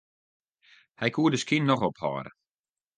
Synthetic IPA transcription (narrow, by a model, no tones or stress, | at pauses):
hɛjkʰuədəskinːɔχɔphɔ̰ːɾə̰